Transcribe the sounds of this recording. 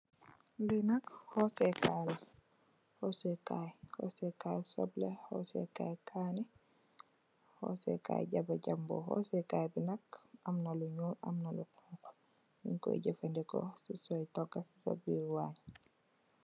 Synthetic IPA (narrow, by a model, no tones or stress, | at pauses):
binakhɔsɛkala | hɔsɛjkajhɔ̰sɛkaːjsɔ̰blɛhɔ̰sɛ̰ka̰ːjkʰaːnɛ | hɔ̰sɛ̰ka̰ːjɟabaɟambɔ̰hɔ̰sɛkaːjbinakamnaluɲuːna̰mnalukuŋkɔ̥ | nḭɲkɔ̰jɟɛfandɛkɔ̰sisɔjtɔɡasi̥sa̰biɾwaːɲ